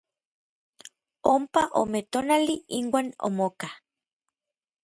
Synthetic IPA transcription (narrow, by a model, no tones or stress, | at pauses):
ompaʔo̰met̪onaliiŋwaːno̰moka